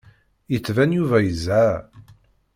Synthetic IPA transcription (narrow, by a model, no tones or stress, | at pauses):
jət͡sːvænjuvæjəzːæ